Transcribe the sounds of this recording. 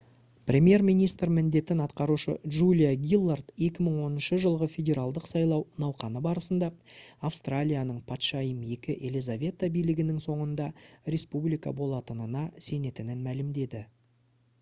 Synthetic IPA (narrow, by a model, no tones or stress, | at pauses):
prʲe̞mje̞ɾmijnijst̪ɾmɪnd̪e̞t̪ɪnɑt̪qɑɾuʃə̰ʒulʲijaɡʲilˠːart̪je̞kʲɪməɴwo̞nənʃəʒəlˠʁəfʲe̞dʲe̞ɾalˠd̪əqsɑjlˠɑwnɑwqɑnəbɑɾəsənd̪ɑːfst̪ralʲijanəɴpʰɑt̪ʃɑjəmje̞kʲɪʔe̞lizavʲe̞t̪abijlɪɡʲɪnɪŋso̞ɴənd̪ɑɾʲe̞spublijkɑ̰bo̞lˠɑt̪ənənɑse̞ne̞t̪ɪnɪnmælɪmd̪e̞d̪ɪ